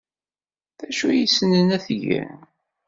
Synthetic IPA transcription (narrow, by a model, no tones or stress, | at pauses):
θæʃujisənənæθʝæ̰n